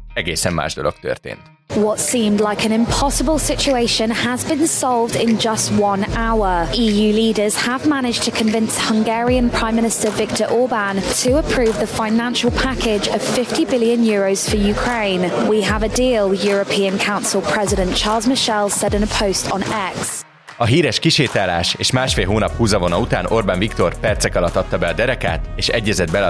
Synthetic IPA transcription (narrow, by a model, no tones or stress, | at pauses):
ɛɡḛsɛ̰̃ma̰ʃdə̰dɔ̰k̚t̪ə̰t̪ɪ̰̃n | wɒtsĩːmdlaɪkə̃ñɪ̃mpʰɒsəbəlˠsɪt͡ʃueɪʃə̃nəzbĩnsɒlˠvdɪ̃nd͡ʒʌst̚wʌ̃naʊəiːjʉːliːdəz̥əvmanɪd͡ʒtʰəkʰə̃ɱvɪ̃nshʌ̃ŋɡɛːɹiə̃npʰɹ̥ãɪ̃mːɪñɪstəvɪk̚tʰəɹʔɔːbãntʰəəpʰɹ̥ʉːvðəfãɪ̃nãnʃəlˠpʰakɪd͡ʒəv̥fɪftibɪliə̃njɔːɹəʊz̥fəjʉkʰɹ̥ẽɪ̃nwiəvədiːəlˠjɔːɹəpʰiːə̃nkʰãʊ̃nsɪlˠpʰɹ̥ɛzɪɾə̃nt͡ʃʰɑːlˠzmɪʃɛlˠsɛdɪ̃nəpʰəʊstʰn̩ɛks | ɒɦiːɾɛʃkiʃeːt̪aːla̰ːʃḛːʃmaːʃfeːlɦoːnɒphuːzɒvonɒut̪aːnorbanvikt̪orpɛrt̪sɛkɒlɒt̪ːɒt̪ːɒbɛɒd̪ɛɾɛka̰ːt̪eːʃɛɟːɛzɛd̪̚bɛ